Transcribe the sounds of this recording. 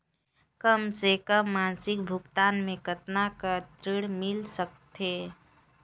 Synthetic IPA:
kəmsekəmːaːnsɪk̚bʱʊkt̪aːnmẽkət̪nakat̪ɾɪɽmɪlsək̚t̪eː

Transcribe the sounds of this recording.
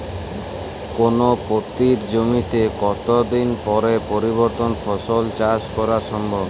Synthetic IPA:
konopot̪iɾd͡ʑomit̪ekɔt̪od̪inpɔɾepoɾiβoɾt̪onfɔʃolt͡ɕaskɔɾaʃɔmbʱɔb

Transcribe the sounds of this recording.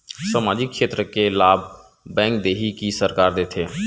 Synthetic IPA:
səmaːd͡ʒɪkːʃeːt̪ɾəkelaːb | bːɛ̃ːŋk̚d̪eːɦikisəɾkaːɾd̪eːt̪ʰeː

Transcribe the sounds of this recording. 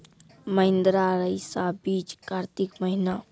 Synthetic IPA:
məɪ̃nd̪ɾaɾəisabiːt͡ʃkaːɾt̪ikməɦina

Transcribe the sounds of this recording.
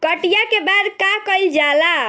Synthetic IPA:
kəʈijakebad̪kakəjld͡ʒala

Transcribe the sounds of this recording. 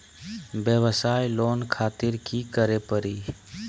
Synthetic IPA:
bjəʋəsaːjloːnkʰaːt̪ɪɾkikəɾepəɾiː

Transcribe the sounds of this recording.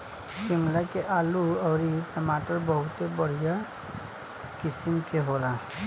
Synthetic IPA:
simlakeʔaːluɔʊɾipəmaʈəɾbəɦut̪ebəɽ̤ija | kisimkeɦola

